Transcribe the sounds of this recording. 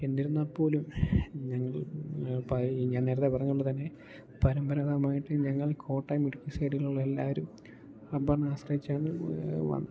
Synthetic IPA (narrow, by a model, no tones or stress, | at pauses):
e̞nd̪iɾunːɐpːo̞ːlumɲɐŋːɐɭpɐiɲaːnne̞ːɾɐt̪ːepɐrɐɲːuuɭːɨt̪ɐnːe̞ | pɐɾɐmbɐɾaðamaːjiʈːɨɲɐŋːɐɭkʰo̞ːʈːɐjmiɽikʲːuseːɽijilːuɭːɐelːa̰ːʋɐɾum | ɐbɐrɳaːsrɐjit͡ɕːaːɳɨʋɐ̰nː